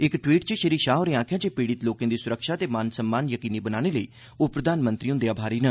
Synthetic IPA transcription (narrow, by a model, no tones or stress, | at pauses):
ɪkʈʋiːʈt͡ʃəʃəɾiːkʃaːɦoːɾeːãːkʰjaːd͡ʒeːpiːɽɪt̪loːkãːd̪iːsʊɾəkʃaːt̪eːmansəmːaːnjəkiːniːbənaːneːləiː | oːpɾəd̪ʱaːnmə̃nt̪ɾiːõːd̪eaːbʱaːɾiːnə